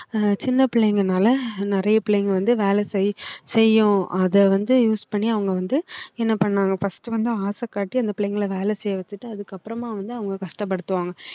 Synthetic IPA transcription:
t͡ʃɪnːɐpɪɭɛjŋɡɐnaːlɐnɪɾɐjɐpɪɭɐŋɡʋɐnd̪ɯʋeːlɛsɛjsɛjːʊ̃ɐðɛʋɐnd̪ɯjuːspɐɳːiɐʋɐŋɡɐʋɐnd̪ɯɛnːɐpɐɳːaːŋɡɐfɐsʈɯʋɐnd̪ɯaːsɐkːaːʈːiɐnd̪ɐpɪɭɐjŋɡɐɭʋeːlɛsɛjːɐʋɐt͡ʃːɯʈːɯɐðɯkːɐpːɯɾɐmaːʋɐnd̪ɯɐʋɐŋɡɐkɐʂʈɐpːɐɽɯt̪ːɯʋaːŋɡɐ

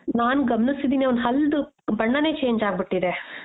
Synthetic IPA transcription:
naːnɡɐmɐnisid̪iːniɐʋonɦɐld̪u | bɐɳːɐne̞ːt͡ʃe̞ːɲd͡ʒaːɡ̚biʈːid̪e

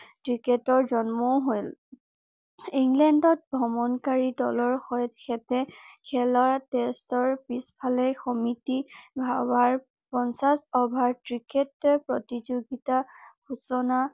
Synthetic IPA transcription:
tɹiketɔɹzɔnmɔʊɦojl | iŋlɛndɔt̚bʱɔmɔnkaɹidɔlɔɹxɔjtxɛtɛkʰɛlatestɔɹbispʰalɛxɔmitibʱawaɹ | pɔnsasɔbʱaɹtɹiketːpɹɔtizoɡitaɡusɔna

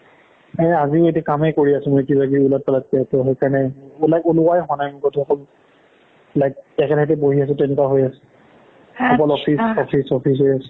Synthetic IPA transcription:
ɛazimetiakamɛkoɹiasʊ̃mojkibaɡiulat̚palat̚kɛjatɔɦejkaɹɔnɛulakulʊajɦʊanajmʊkɔtʰuɔkɔl | lajk̚tɛkʰɛdʰatɛboɦias̬ʊ̃tɛnɛtaɦojasɛ̥ | ɔkɔlɔpʰisɔpʰisɔpʰis̬ejas

